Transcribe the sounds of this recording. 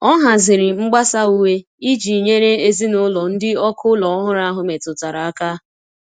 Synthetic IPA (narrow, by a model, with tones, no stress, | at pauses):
ɔ˦ɦa˨zɪ˨ɾɪ˨ŋ͡m̩˦ɡ͡ba˦sa˦u˦we˦ | i˦d͡ʒi˨ɲe˦ɾe˦e˦zi˦nʊ˦lɔ˨n̩˦dɪ˦ɔ˦kʰʊ˦lɔ˨ɔ˦ɦʊ˦ɾa˦ɦʊ˨me˨tʊ˨ta˨ɾa˨a˦ka˦